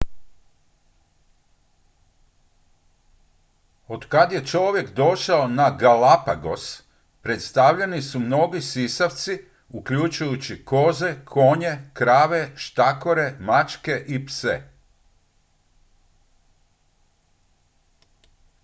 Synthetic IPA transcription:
o̞d̪kad̪je̞t͡ʃo̞ʋje̞kd̪o̞ʃaonaɡalapaɡo̞̰s | pɾe̞t̪st̪aʋʎenisumno̞ɡisisaʋt̪si | ukʎut͡ʃujut͡ɕiko̞ːze̞kʰo̞ɲe̞kɾaːʋe̞ʃt̪ako̞ɾe̞mat͡ʃke̞ʔipse

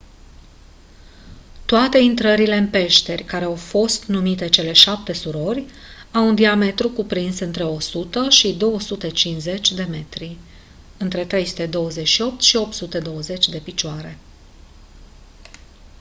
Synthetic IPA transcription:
t̪oat̪e̞int̪ɾəɾile̞ɨnpe̞ʃt̪e̞rʲkaɾe̞awfo̞st̪numit̪e̞t͡ʃe̞le̞ʃap̚t̪e̞suɾo̞rʲ | awund̪iame̞t̪ɾukupɾinsɨnt̪ɾe̞o̞sut̪əʃid̪o̞wəsut̪e̞t͡ʃinze̞t͡ʃʲd̪e̞me̞t̪ɾi | ɨnt̪ɾe̞t̪ɾe̞jsu̥t̪e̞d̪o̞wəze̞t͡ʃʃio̞p̚t̪ʃio̞p̚t̪sut̪e̞d̪o̞wəze̞t͡ʃʲd̪e̞pit͡ʃoaɾe̞̰

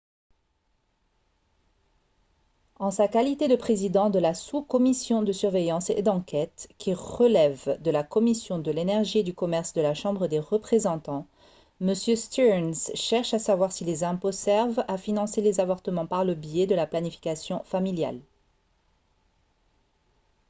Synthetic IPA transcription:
ɑ̃sakalit̪ed̪əpχezid̪ɑ̃d̪əlasukɔmisjɔ̃d̪əsyʁvejɑ̃sed̪ɑ̃kʲɛt̪kʲʰiʁəlɛvd̪əlakɔmisjɔ̃d̪əlenɛʁʒied̪ykɔmɛʁsd̪əlaʃɑ̃bʁəd̪eʁəpχezɑ̃t̪ɑ̃ | məsjøst̪yɛnsʃɛʁʃasavwaʁsilezɛ̃posɛʁvafinɑ̃selezavɔʁt̪əmɑ̃paʁləbjɛd̪əlaplanifi̥kasjɔ̃familja̰l

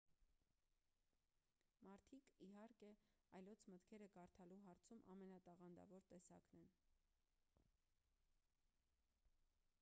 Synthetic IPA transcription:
mɑɾt̪ʰikiɦɑɾkɛɑjlɔt͡sʰmət̪kʰɛɾəkɑɾt̪ʰɑluɦɑɾt͡sʰumʔɑ̰mɛnɑt̪ɑʁɑnd̪ɑ̰vɔɾt̪ɛsɑ̰knɛn

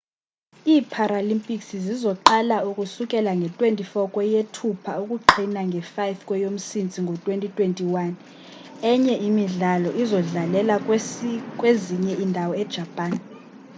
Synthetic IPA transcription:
iːpʰaɾalimpʼiksizizɔǃalaukʼusuk̬ʼɛlaŋɡʱɛtʼwentʼifɔkʼwɛjetʰupʰaukʼuǃʰinaŋɡʱɛfajfkʼwɛjom̩sint͡sʼiŋɡʱɔtʼwentʼitʼwentʼiwan | ɛɲɛʔimiɮalɔʔizɔɮalɛla | kʼweziɲɛʔindʱawɔɛd̥ʒ̥ʱapʼaːn

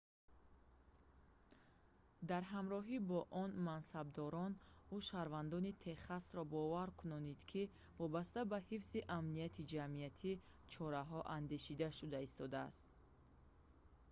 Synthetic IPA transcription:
d̪aɾɦamɾɔɦibɔʔɔnmansab̚d̪ɔɾɔnuʃaɾvand̪ɔnit̪ʰe̞χasɾɔbɔvaɾkʰunɔnid̪kʰi | vɔbast̪abahifziʔamniat̪ʰid͡ʒamiat̪ʰi | t͡ʃʰɔɾaɦɔʔand̪eʃid̪aʃud̪aist̪ɔd̪a̰ːst̪

